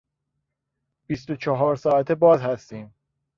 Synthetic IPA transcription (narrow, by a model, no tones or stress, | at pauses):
b̥ist̪ot͡ʃʰɒɦɒːɾsɒːæt̪ʰebɒːzhæst̪iːm